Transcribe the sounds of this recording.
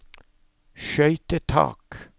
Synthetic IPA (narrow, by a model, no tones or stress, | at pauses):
ʃœʏt̪ət̪ʰɑ̰ːk